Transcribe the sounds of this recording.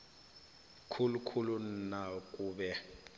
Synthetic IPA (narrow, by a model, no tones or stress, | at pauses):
kʰulukʰulun̩nakʼuːbɛ